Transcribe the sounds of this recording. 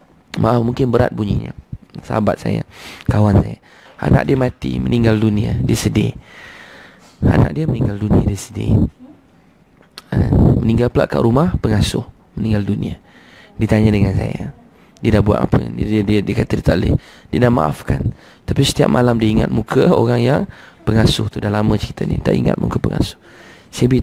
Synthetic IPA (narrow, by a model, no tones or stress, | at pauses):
maʔafmuŋkɪnbəɾa̰t̪̚buɲiɲa̰sə̰ɦabat̪̚sa̰ja̰kawansaja | a̰na̰ʔdiəmat̪ḭməniŋɡaldunĩadiəsədɪ̰ | a̰na̰ʔdiəməniŋɡaldunia̰diəsədɪ̰ | əmənĩŋɡalpəla̰ʔka̰ʔɾumahpəŋasʊh | mənĩŋɡaldunĩa | diət̪aɲadəŋansa̰ja | diədahbua̰t̪ʔa̰pədidiəkat̪adit̪aʔlḛdiədahma̰ʔafkan | t̪apisə̥t̪ia̰p̚mʔalamdiəiŋa̰t̪̚mukʰəoɾaŋjaŋpəŋasʊht̪udalamə̃t͡ʃəit̪anḭt̪aʔḭŋa̰t̪̚mṵkəpəŋa̰sʊ̥h | siabi